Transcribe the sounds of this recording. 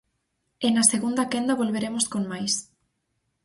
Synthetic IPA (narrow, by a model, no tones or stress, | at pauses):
enaseɣund̪akend̪aβolβeɾemoskoŋmajs